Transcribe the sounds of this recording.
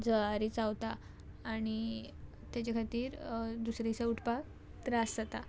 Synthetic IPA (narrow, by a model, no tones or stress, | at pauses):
d͡zəaɾit͡sawt̪aː | ɽ̃i | t̪jat͡ɕakʰat̪iːɾd̪usɾat͡sauʈʰpak̚ | t̪ɾasd͡zət̪a